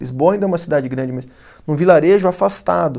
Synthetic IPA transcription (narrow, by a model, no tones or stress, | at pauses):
ḭzbõaĩd̪ɛũmɐsid̪ad͡ʒɪɡɾɐ̃nd͡ʒɪmɐs | nũvilaɾeʒʊafast̪ad̪ʊ